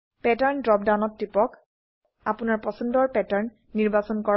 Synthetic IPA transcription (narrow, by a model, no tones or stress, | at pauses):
pɛtaɹndɹɔp̚danɔtːɹipɔk | apunaɹpɔsɔndɔɹpɛtaɹnːiɹbasɔnkɔɹ